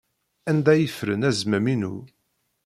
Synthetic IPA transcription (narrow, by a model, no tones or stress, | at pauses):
ænd̪æjəfɾə̰næzmæminṵ